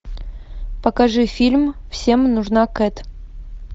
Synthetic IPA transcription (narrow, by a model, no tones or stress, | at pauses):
pɐkɐʐɨfʲilʲmfsʲemnuʐnakɛt̪ʲ